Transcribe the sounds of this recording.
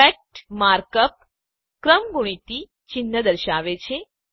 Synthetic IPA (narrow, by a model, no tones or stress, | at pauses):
ek̚ʈmaɾkəp̚ | kɾəmɡuɽ̃it̪i | t͡ʃɪnːəd̪əɾʃaʋet͡ʃʰe